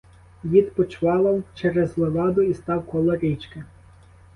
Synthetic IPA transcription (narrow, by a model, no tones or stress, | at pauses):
ʋʲid̪pɔt͡ʃʋɑlˠɐwt͡ʃɛɾɛzlˠɔɡɑd̪ʊist̪ɑwkɔlˠɔɾʲit͡ʃke